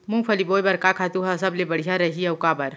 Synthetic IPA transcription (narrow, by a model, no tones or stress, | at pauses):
mũːpʰɐliboːjbɐɾkakʰaːt̪uɦasɐblebɐɽ̤ijaɾɐɦiɐwkabɐɾ